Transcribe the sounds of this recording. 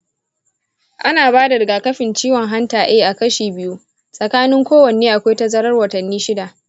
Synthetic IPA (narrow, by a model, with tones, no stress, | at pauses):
ʔa˦naː˨baː˦da˨ɾɪ˨ɡaː˨kɐ˦ɸɪ˨nt͡ʃiː˦wɔ˨ŋɦa˦ntaː˨ʔeː˦ʔa˨kɐ˦ʃiː˨bɪ˦ju˦ | sʼɐ˨kaː˦nɪ˦ŋkʷoː˦wɐ˨neː˦ʔa˨kʷa˦jtɐ˦zɐ˦ɾɐ˦rwɐ˨tɐ˨nːiː˦ʃɪ˦da˨ʔ